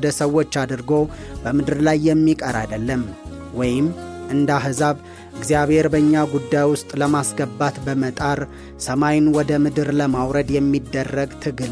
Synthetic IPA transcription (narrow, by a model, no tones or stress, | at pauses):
d̪əsəwːo̞t͡ʃːad̪ɨɾɡo̞bəmɨd̪ɨɾlajːɛmːikʼəɾa̰d̪əlːəm | wɔjɪmʔɨnd̪aɦɨzaβ | ʔɨɡzijaβhe̞ɾbəɲːaɡud̪ːajwʊst̪ʼləmasɡəbat̪bəmət̪ʼaɾ | səmajnwɔd̪əmɨd̪ɨɾləmawɾəd̪jɛmːid̪ːərːəɡt̪ʰɨɡɨl